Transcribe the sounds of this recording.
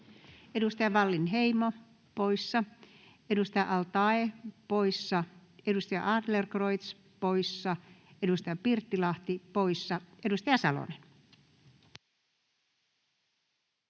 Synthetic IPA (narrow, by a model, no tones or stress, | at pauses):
edust̪ɑjɑʋɑlːinheimo | poisːɑ | edust̪ɑjɑʔɑlt̪ɑepoisːɑedust̪ɑjɑ̰ʔɑd̪lerkroit̪s | poisːɑedust̪ɑjɑpirt̪ːilɑht̪ipoisːɑedust̪ɑjɑsɑlo̰nen